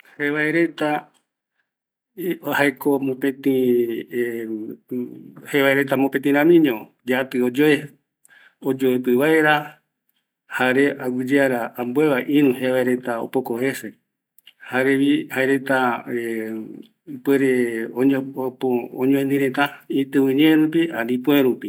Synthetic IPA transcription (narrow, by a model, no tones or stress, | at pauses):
heβaeɾe̞t̪a | haekomõpẽt̪ĩ | heβaeɾe̞t̪amopẽt̪ĩɾ̃ãmĩɲõ | d͡ʒat̪ɨod͡ʒoe | od͡ʒoepɨβaeɾa | haɾeʔawɨd͡ʒeaɾaːmbueβaʔinũheβaeɾet̪ao̰pokohese | haɾeβihaeɾet̪a | pweɾeooooɲõẽnd̪ĩɾet̪aĩt̪ɨ̃wĩɲeɾũpialipũeɾupi